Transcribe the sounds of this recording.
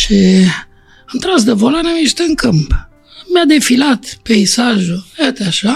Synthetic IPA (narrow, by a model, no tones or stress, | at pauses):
ʃi | amt̪ɾas̬d̪əvolanamiʃt̪eɨŋkɨmp | mjad̪efilat̪peisaʒuat̪eaʃa